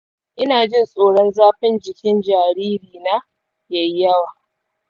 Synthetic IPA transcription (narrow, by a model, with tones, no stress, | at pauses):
ʔɪ˦naː˨d͡ʒɪ˦nsʼoː˨ɽɔ˦nzaː˦ɸɪ˦nd͡ʒɪ˨kʲɪ˦nd͡ʒaː˨ɽiː˦ɾiː˨naː˦ | ja˨ji˦jɐ˦waː˨